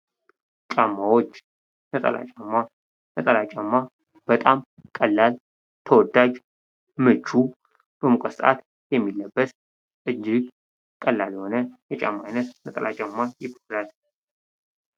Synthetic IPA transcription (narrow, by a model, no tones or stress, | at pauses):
t͡ʃʼamːawot͡ʃː | nət̪ʼə̰lʔa̰t͡ʃʼamːa | nət̪ʼəlat͡ʃʼamːa | b̥ət̪ʼam | kʼəlːal | t̪ʰəwɔd̪ːad͡ʒ | mɨt͡ʃːu | bəmukʷʼəsʼa̰t̪ | jɛmːilːəbːəs | ʔɨd͡ʒːɪɡ | kʼəlːaljɛho̞nəjɛt͡ʃʼa̰mːaajnət̪nət̪ʼə̰lʔat͡ʃʼamːajɪbolal